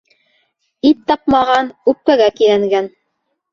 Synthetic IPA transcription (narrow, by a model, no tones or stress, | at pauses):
it̪ːɑp̚mɑʁɑnʉp̚kæɡækilæŋɡæn